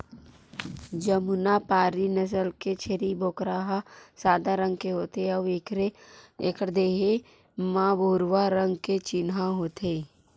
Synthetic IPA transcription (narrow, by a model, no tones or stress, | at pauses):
d͡ʒəmʊnapaːɾinɐs̬əlket͡ʃʰeɾibʱoːkɾaɦasaːd̪aɾə̃ŋɡ̚keɦoːt̪eɐʋeɾeeːkəɾd̪eːɦe | mãːboːɾʋaɾə̃ŋɡket͡ʃɪnɦaɦoːt̪ʰeː